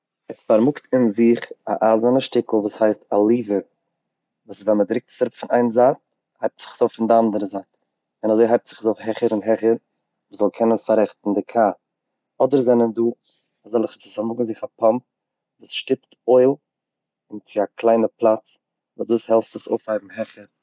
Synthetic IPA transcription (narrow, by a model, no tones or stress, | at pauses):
ɛsfaɾmʊktɪnzɪχa̰ʔazanəʃtɪkl̩ˠvuːshaɪstalˠiːvə | vuːssvɛnmədɾɪk̚tsaɾʊpfɪnʔaɪnzaːt̚ | haɪp̚tz̥ɪ̥χzoʊfɪndɪandəɾəzaːt | ɪnazoɪɦaɪp̚tz̥ɪχzoʊfhɛχəɾɪnɦɛχəɾ | vuːszɔlˠkʰɛnənfaɾɛχtn̩dɪkʰaː | ɔdəɾzɛnənduː | azɛlˠɪχt͡sɪsɔmʊɡŋ̩zɪχapʰɔmp̚ | vuːsʃtɪp̚toɪlˠ | ɪnt͡sɪaklˠaɪnəplˠat͡s | vuːsduːshɛlˠftəso̰ʊfhaɪb̚m̩ɦɛχəɾ